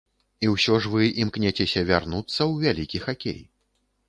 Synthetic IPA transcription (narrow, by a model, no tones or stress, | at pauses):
iwsʲɔʐvɨimknʲɛt͡sʲɛsʲɐvʲarnut̪sːɐwvʲalʲikʲixakʲḛj